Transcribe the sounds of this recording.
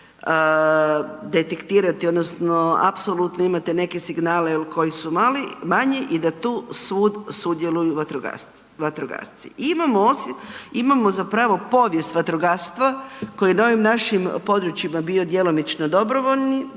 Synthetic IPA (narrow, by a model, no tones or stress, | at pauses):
ə | d̪et̪ekt̪iːɾat̪iod̪nosno̞a̰pso̞lut̪noimat̪ene̞ke̞siɡnaːlejelkʰo̞jisumalimaɲeʔid̪at̪uːsʋuːd̪sud̪je̞lujuʋat̪ɾoɡa̰s | ʋat̪ɾoɡa̰st̪sḭʔimamoosimamozapɾaːʋo̞po̞ʋje̞st̪ʋat̪ɾoɡast̪ʋako̞jinao̞ʋimnaʃimpo̞d̪ɾut͡ʃimabio̞d̪je̞lo̞mit͡ʃnod̪o̞bɾoʋo̞ʎʲni